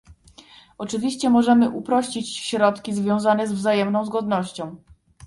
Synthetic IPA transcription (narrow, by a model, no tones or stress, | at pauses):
ɔt͡ʂɘvʲiɕt͡ɕɛmɔʐɛmɘʔupɾɔɕt͡ɕit͡ɕɕɾɔt̪kʲizvʲjɔ̃w̃zanɛzvzajɛmnɔ̃w̃zɡɔd̪nɔɕt͡ɕɔ̃w̃